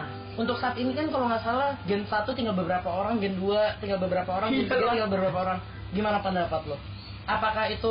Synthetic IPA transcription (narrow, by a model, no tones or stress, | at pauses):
unt̪ʊksaːpinikankalomasalahɡɛnsat̪ut̪iŋɡalbəbəɾapaoɾaŋɡɛnduat̪iŋɡalbəbəɾapaoɾaŋɡɛnsaiŋɡalbəbəɾapaoɾaŋ | ɡimanapəndapat̪̚lʊh | ʔapakahit̪u